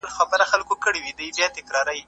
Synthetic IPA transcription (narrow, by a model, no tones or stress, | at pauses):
lxɑpəɾaxalkokəɽiwid̪əjbjɑt̪ɪkɾɑɾaji